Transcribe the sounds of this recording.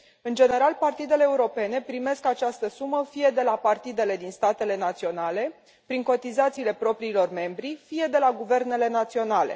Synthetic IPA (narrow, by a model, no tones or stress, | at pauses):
ɨnd͡ʒe̞ne̞ɾalpart̪id̪e̞le̞ːuɾo̞pe̞ne̞pɾime̞skat͡ʃast̪əsuməfije̞d̪e̞lapart̪id̪e̞le̞d̪inst̪at̪e̞le̞nat̪sio̞nale̞ | pɾiŋko̞t̪izat̪siːle̞pɾo̞pɾiːlo̞rme̞mbɾifije̞d̪e̞laɡuve̞rne̞le̞nat̪sio̞nale̞̰